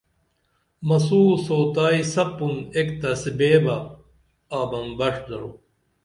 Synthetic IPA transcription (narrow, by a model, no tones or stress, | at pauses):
mɐsuːsoːt̪aːisɐpːumekt̪ɐsibeːbɐ | aːbɐmbɐʂd̪ɐɾo̰